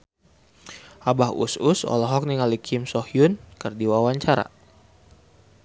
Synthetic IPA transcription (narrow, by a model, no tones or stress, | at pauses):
abahṵsʊsɔ̰lɔɦɔk̚niŋalikʰimsɔhjʊnkərdiwawaɲt͡ʃaɾa̰